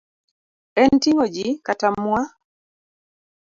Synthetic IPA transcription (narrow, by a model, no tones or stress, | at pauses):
ɛntiŋod͡ʒikatamwa